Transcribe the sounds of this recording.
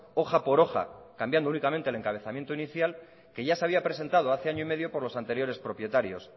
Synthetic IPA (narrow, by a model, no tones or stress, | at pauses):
o̞xapo̞ɾo̞xa̰kambjand̪ounikamẽnt̪ele̞ŋkaβ̞e̞θamje̞nt̪oiniθjal | ke̞ʝase̞aβiapɾe̞se̞nt̪að̞oaθe̞aɲoime̞ðjo̞po̞ɾlo̞sant̪e̞ɾjo̞ɾe̞spɾo̞pje̞t̪aɾjo̞s